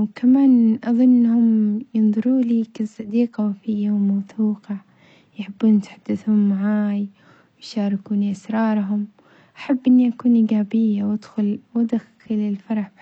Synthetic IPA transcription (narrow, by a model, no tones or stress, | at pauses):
wkamaːnʔɑðˤɨnːʔɪnːahʊmjɨnðˤʊɾuːliːkɪsˤɑd̪iːqawfijːawmawθuːqɑ | jħɪbːuːnt̪ħad̪̥ːɪθhʊmːaʕaːj | wjʃɑːɾˤɪkuːniʔasɾˤɑːɾˤɦʊm | ʔḁħabːʔɪnːiʔakuːnʔiːɡaːbɪjːawad̪xʊlwad̪ax | ɪlɪlfɑɾˤɑħ